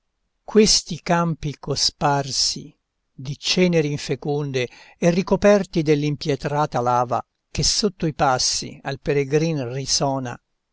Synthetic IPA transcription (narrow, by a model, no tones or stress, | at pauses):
kwest̪ikampikosparsḭ | d̪it͡ʃɛːneɾiiɱfekund̪e | erːikopɛrt̪id̪elːimpjɛt̪ɾaːt̪alaːva̰ | k̟esːot̪ːoipasːḭa̰lpeɾeɡɾinrisɔːna̰